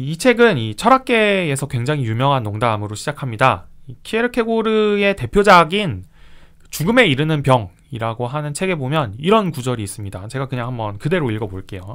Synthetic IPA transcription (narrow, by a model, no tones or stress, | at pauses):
it͡ɕʰe̞ɡɯnit͡ɕʰʌɾak̚k͈e̞ːsʰʌkwe̞ŋd͡ʑaŋijumjʌŋɦanːoŋdamɯɾoɕʰid͡ʑakʰamɲidaikʰieɾɯkʰe̞ɡoɾɯe̞te̞pʰjod͡ʑaɡin | ɯt͡ɕuɡɯme̞iɾɯnɯnpjʌŋ | iɾaɡoɦanɯnt͡ɕʰe̞ɡe̞bomjʌniɾʌnkud͡ʑʌɾiːs͈ɯmɲida̰t͡ɕe̞ɡakɯɲaŋhambʌnkɯde̞ɾoiɭɡʌboɭk͈e̞jo